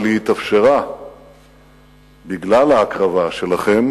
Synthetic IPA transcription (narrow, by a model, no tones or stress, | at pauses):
lehit̪afʃeʁa | biɡlalaːkʁavaʃe̞laχe̞m